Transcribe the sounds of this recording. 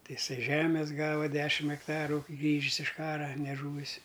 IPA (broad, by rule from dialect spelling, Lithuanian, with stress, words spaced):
ˈtɐɪ ɪˈsɐɪ ˈʒʲæːmʲɛs ˈɡɑːʋɐ ˈdʲæːʃʲɪm ɛkˈtɑːrʊ ˈɡrʲiːʒʲɪs ɪʃ ˈkɑːrɐ nʲɛˈʒuːʋʲɪs